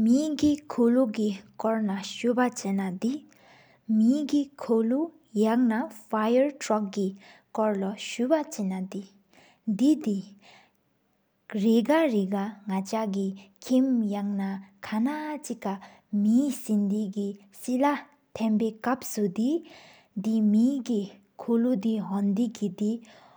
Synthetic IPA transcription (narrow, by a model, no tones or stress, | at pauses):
miɡikʰoluʔɡikɔɹnaɕupat͡ɕenad̪i | miɡikʰolu | jaŋnafajəɹtɹɔk̚ɡi | kɔɹlaɕupat͡ɕenad̪i | d̪id̪i | ɹeɡaɹekaŋat͡ɕaɡikʰimjaŋnakʰanat͡ɕikːa | misind̪iɡi | sila | t̪ʰɛnpeːkap̚sud̪i | d̪imiɡi | kʰolud̪iɦɔnd̪ikid̪i